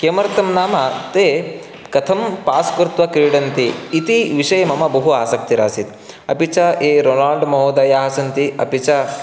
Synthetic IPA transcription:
keːmɐɾɐt̪ɐmnaːmɐt̪eː | kɐt̪ʰɐmpaːskɾt̪ʋɐkiɾɖɐnt̪iːt̪iʋiʂɐjɐmɐmɐbɐɦuaːsɐk̚t̪iɾa̰ːsit̪ | ɐpit͡ʃɐeːɾoːnaːɭɖmɐɦoːd̪aːjaːɦɐsɐnt̪iɐ̰pit͡ʃɐ

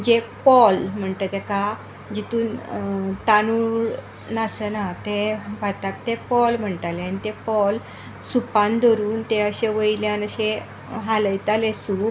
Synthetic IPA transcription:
d͡ʑepɔlm̤əɳt̪ət̪eka | d͡ʑit̪uːnt̪anuɽ | nasənat̪eʋat̪akt̪epɔlm̤əɳʈaleañit̪epɔl | supãnd̪ɔɾuːnt̪eəɕeʋəjljanəɕe | ɦaləjt̪alesu

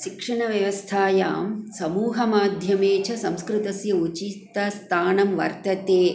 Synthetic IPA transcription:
ʃikʂɐɳɐʋjɐʋɐst̪ʰaːja̰ːmsɐmuːɦɐmaːd̪ʱjɐmeːt͡ʃʰɐsɐmskɾɪt̪ɐsjɐut͡ʃit̪ːɐst̪ʰaːnɐmʋɐ̰ɾt̪ɐt̪eː

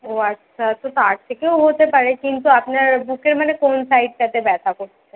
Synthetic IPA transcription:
oɐtːʃʰat̪ot̪aɾt̪ʰekeoɦot̪epaɾekint̪uapnaɾbukeɾmanekonsaiʈ̚kɛt̪ebɛt̪ʰakoɾʰe

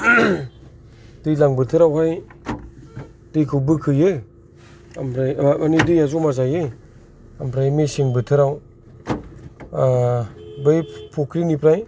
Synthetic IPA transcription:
dɯjlaŋbɯtʰɯɾawhaj | dɯjkʰɯwbɯkʰɯjɯj | amɾajanidɯjazɔmazajɯj | ampɾajmeseŋbɯtʰɯɾaw | bɯjpʰokʰɾinipɾaj

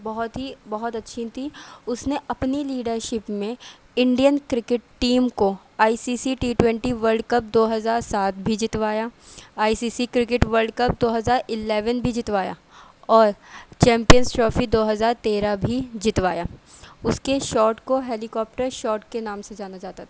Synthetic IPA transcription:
bɐɦʊt̪ɦibɐɦɔt̪ɐtːʃʰit̪ʰiʊsneɐpniliːɖəɾʃɪpmẽ | ɪ̃ɳɖijənkɾɪkɪʈʈːiːmko | aːisiːsiʈiːʈwɛ̃ɳʈiʋəɾɖkɐp̚d̪oːɦɐzaːɾsaːt̪ʰbʱid͡ʒɪt̪ʋaːjaːaːisiːsikɾɪkɪʈʋəɾlɖkɐp̚d̪oːɦɐzaːɾɪlɛːʋənbʱid͡ʒɪt̪ʋaːja̰ː | ɔːɾt͡ʃɛ̃ːmpijənsʈɾɔːfid̪oːɦɐzaːɾt̪eːɾabʱid͡ʒɪt̪ʋaːjaːʊskeʃɔːʈkoɦeːlɪkɔːp̚ʈəɾʃɔːʈkenaːmsed͡ʒaːnad͡ʒaːt̪at̪ʰː

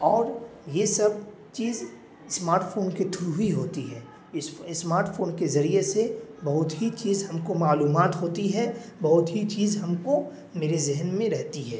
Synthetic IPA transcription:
ɔːɾjesɐb̚ | t͡ʃiːz | smaːɾʈfʰoːnket̪ʰʊɾuɦiɦoːt̪iɦɛː | ɪsmaːɾʈfʰoːnkezɐɾiesebɐɦʊt̪ɦit͡ʃiːzɦɐmkomaːluːmaːt̪ɦoːt̪iɦɛːbɐɦʊt̪ɦit͡ʃiːzɦɐmko | meːɾezɪɦnmẽɾɛɦt̪iɦɛː

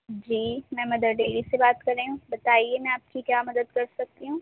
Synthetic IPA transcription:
d͡ʒiːmɛ̃mɐd̪əɾɖeːlisebaːt̪kɐɾeɦũbɐt̪aːiemɛ̃aːp̚kikjaːmɐd̪əd̪kɐɾsɐk̚t̪iɦũː

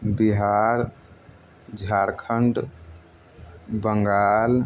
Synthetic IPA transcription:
biɦaɾ | d͡ʒʱaɾkʰəɳɖ | bəŋɡal

